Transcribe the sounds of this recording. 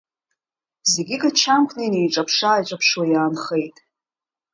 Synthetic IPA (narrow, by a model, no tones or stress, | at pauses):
zeɡʲɪɡat͡ʃʰamkʷʰnajnejʈ͡ʂʼapʰʂaːjt͡ʃʷʼapʰʂwajaːnχejtʼ